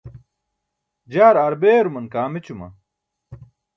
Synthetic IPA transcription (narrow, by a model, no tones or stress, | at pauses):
d͡ʑaːɾɐɾbeːɾumɐnkaːmit͡ɕumɐ̰